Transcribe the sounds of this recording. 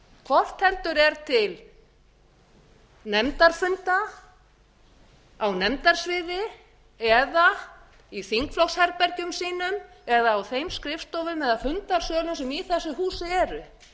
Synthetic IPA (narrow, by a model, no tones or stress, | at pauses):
kʰɔft̪hɛlt̪ʏɾɛɾt̪ʰɪl | nɛmt̪aɾ̥fʏnt̪a | awnɛmt̪aɾ̥svɪːðɪ | ɛða | iθiŋkflɔxshɛɾpɛɾcʏmsiːnʏm | ɛðaːwθejmskɾɪfst̪ɔwvʏmɛðafʏnt̪aɾ̥sœːlʏmsɛmiθɛsːʏɦuːsɪɛːɾʏ